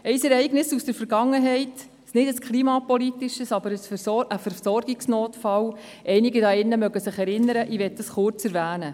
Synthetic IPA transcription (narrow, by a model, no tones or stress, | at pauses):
ɛɪsɛɾɛɪɡnɪsusd̥əɾfəɾɡɑŋːəɦɛɪt | snɪdəskχliːmɑpɔlitːɪʃəsɑbəɾəsfəsɔəfəɾsɔrɡɪksnoːtfɑl | ʔɛɪnɪɡidɑɪnːəmœɡəsɪχɛɾɪnːəɾəʔiʋɛt̚d̥ɑsχʊrt͡sɛɾvæːnə